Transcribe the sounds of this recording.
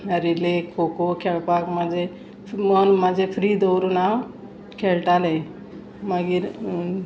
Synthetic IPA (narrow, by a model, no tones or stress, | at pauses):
əɾilekʰːokokʰeɭpakmad͡zʱe | mənmad͡zʱefɾid̪əwɾunaw | kʰeɭʈale | maɡiːɾ